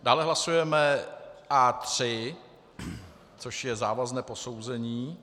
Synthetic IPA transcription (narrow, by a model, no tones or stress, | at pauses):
d̥aːlɛɦlasujɛmɛʔat̪r̝̥ɪ | t͡so̞ʃjɛzaːvaznɛːpo̞so̞wzɛɲiː